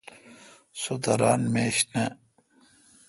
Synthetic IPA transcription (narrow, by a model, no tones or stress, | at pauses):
sod̪ɐɾaːnmeːɕne